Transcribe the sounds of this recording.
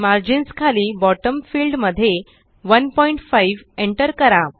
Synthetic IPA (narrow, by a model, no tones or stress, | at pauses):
maɾd͡ʑinskʰaliːbɔʈəmfilɖməd̪ʱːje | ʋənpɔiɳʈfaiʋeɳʈəɾkəɾa